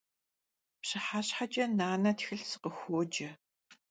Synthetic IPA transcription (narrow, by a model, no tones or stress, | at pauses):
pɕɨħaːɕħat͡ʃʼɐnaːnɐtxɨɬsɨ̥qəxʷoːd͡ʒɐ